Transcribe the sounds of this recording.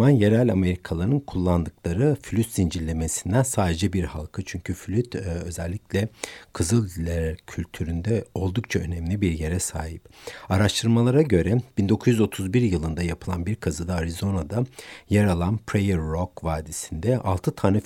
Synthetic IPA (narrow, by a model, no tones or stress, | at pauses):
anjeɾælʲame̞ɾikʰalˠaɾɯnkʰulˠːand̪ɯklˠaɾɯfylʲyt̪sind͡ʒilʲːe̞mesind̪ænsaːd̪e̞d͡ʒɛbiɾha̰lˠkʰɯt͡ʃʰyɲcʰyfylʲyt̪ø̞zɛlʲːiclʲɛkʰɯzɯlˠilʲæɾcʰylʲt̪ʰyɾynd̪ɛo̞lˠd̪uk̚t͡ʃʰaø̞nɛmlʲibiɾje̞ɾɛsaːɦipaɾaʃt̪ʰɯɾmalˠaɾaɟø̞ɾɛb̥ind̪o̞kʰuzjyzo̞t̪ʰuzbiɾjɯlˠɯnd̪ajapʰɯlˠanbiɾkʰazɯd̪aːɾizo̞nad̪ajɛɾalˠanpʰɾejɛɾːokvaːd̪isind̪ɛʔa̰lˠt̪ʰɯt̪ʰaːnɛ